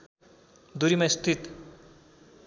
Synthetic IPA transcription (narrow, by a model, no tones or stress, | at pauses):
d̪uɾimɐjst̪ʰit̪